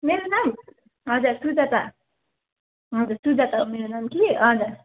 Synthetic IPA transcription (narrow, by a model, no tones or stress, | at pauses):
meɾonam | ɦʌd͡zaɾsud͡zat̪a | ɦʌd͡zaɾsud͡zat̪aɦomeɾonamkiʌd͡zaɾ